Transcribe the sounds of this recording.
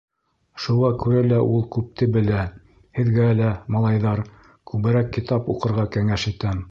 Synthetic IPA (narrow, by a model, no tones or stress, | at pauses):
ʃuʁɑkʉɾælæʔulˠkʉp̚t̪ɘbɘ̆læ | hɘ̆ðɡæːlæmɑlˠɑjðɑɾ | kʉβɘ̆ɾækːit̪ɑpuqɤ̆ɾʁɑkæŋæʃit̪æm